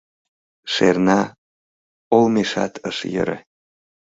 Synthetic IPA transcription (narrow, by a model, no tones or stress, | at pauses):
ʃḛrnɑ | olmeʃɑ̰t̪ʰə̰ʃjə̰ɾḛ